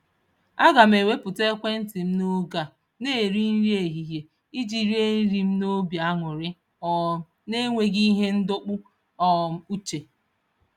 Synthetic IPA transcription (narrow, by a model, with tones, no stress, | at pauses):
a˦ɡa˨m̩e˨we˦pʊ˨te˦kʷe˦n̩˦tɪ˨m̩˦no˦ɡa˨ | ne˦˨ɾi˦n̩˦ɾi˦e˨ɦi˨ɦje˨ | i˦d͡ʒi˨ɾi˦e˦n̩˦ɾi˨m̩˦no˦bja˨a˦ŋʷʊ˨ɾɪ˦ | ɔ˨ | ne˦ŋʷe˦ɡi˦ɦe˦n̩˦dʊ˦k͡pʊ˦ | ɔ˦˨m̩˦u˦t͡ʃe˨